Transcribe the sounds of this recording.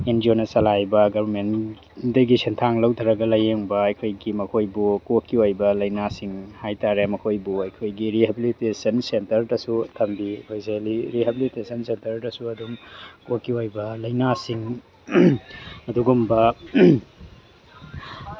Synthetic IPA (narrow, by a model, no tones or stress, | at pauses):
end͡ʒionɐsɐlajbɐɡɐbɐɾmen | dɐɡisintʰaŋlɐwtʰɐɾɐɡɐlɐjeŋbɐɐjkʰojɡimɐkʰojbukokːiojbɐlɐjnasiŋhajtaɾemɐkʰojbuɐjkʰojɡiɾiɦebilitesɐnsentɐɾdɐsutʰɐmbikʰojzeliɾiɦebilitesɐnsentɐɾdɐsuɐduŋkokːiojbɐlɐjnasiŋ | ɐduɡumbɐ